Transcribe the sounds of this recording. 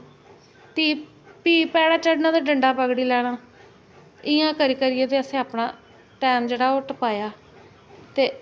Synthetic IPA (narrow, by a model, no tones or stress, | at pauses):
t̪iː | piːpɛːɽaːt͡ʃəɖnãːd̪aːɖəɳɖaːpəɡɽiːlɛːɽaː | ɪjãːkəɾiːkəɾiːeːt̪eːəsẽːaːpɳãː | ʈɛːmd͡ʒeːɽaːʊʈpaːjaː | t̪eː